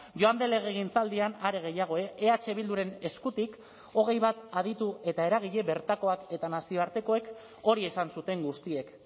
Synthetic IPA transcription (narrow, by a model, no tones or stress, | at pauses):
ʝo̞and̪ele̞ɣ̞e̞ɣ̞int͡sald̪ianaɾe̞ɣ̞e̞jaɣ̞o̞e̞ʔeat͡ʃe̞β̞ild̪uɾe̞ne̞skut̪ik | o̞ɣ̞e̞jβat̪að̞it̪ue̞t̪ae̞ɾaɣ̞iʎe̞βe̞ɾt̪ako̞ake̞t̪anasio̞aɾt̪e̞ko̞e̞k | o̞ɾie̞sansut̪e̞ŋɡust̪ie̞k